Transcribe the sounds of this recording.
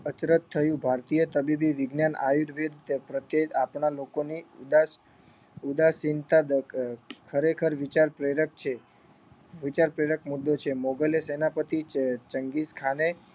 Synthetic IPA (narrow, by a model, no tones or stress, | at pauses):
ət͡ʃɾət̪ʰːəjũbʱaɾt̪ijət̪əbibiʋɪɡnjana̰juɾʋed̪t̪pɾət̪eapɳalokoniud̪a | ud̪asint̪ad̪ | kʰəɾekʰəɾʋit͡ʃaɾpɾeɾək̚t͡ʃʰe | ʋit͡ʃaɾpɾeɾək̚mud̪ːot͡ʃʰemoɡəlesenapət̪it͡ʃəŋɡiskʰane